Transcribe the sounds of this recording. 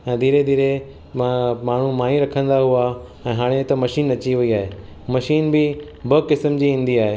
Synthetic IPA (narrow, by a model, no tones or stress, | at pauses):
ɛ̃ːd̪ʱiːɾed̪ʱiːɾe | maːɳ̤umaːjĩɾɐkʰə̃nd̪aɦua | ɛ̃ːɦaːɽ̃et̪ɐmɐʃiːnɐt͡ɕiʋɐiaːɦeː | mɐʃiːnbɪ | bəkɪsmd͡ʑiːɦĩːn̆d̪iaːɦeː